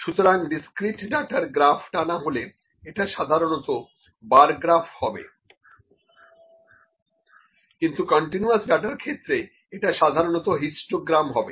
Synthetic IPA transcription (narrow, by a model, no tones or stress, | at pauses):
ʃut̪oɾaŋɖiskɾiʈɖaʈaɾɡɾafʰʈanaɦole | eʈaʃad̪ʱaɾonɔt̪o | baɾɡɾafʰhɔbḛ | kint̪ukɔɳʈinuasɖaʈaɾkʰet̪ːɾe | eʈaʃad̪ʱaɾonɔt̪oɦisʈoɡɾamɦɔbe